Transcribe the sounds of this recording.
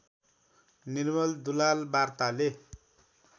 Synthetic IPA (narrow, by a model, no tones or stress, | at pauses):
nirmʌld̪ulalbart̪ale